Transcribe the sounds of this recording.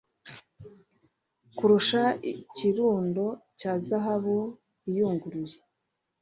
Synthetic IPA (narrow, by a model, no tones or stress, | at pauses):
kuɾuʃaiciɾuːndo̞caːzaɦaβu | ijuːŋɡuɾuje